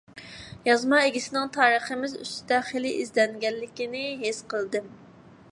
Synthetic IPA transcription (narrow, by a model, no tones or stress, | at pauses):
jɑzmɑeɡʲisɪnɪŋt̪ʰɑːɾəχəmɪzy̰st̪ɪd̪ɛχelɪʔizlɛnɡʲɛlːɪkʲinɪɦesqəlˠd̪ɨm